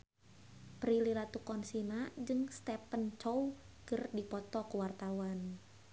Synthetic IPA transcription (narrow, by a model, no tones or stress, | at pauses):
pɾiliɾat̪ukɔnsinad͡ʒɨŋst̪ɛpənt͡ʃɔw | kɨrdipɔt̪ɔkuwart̪awan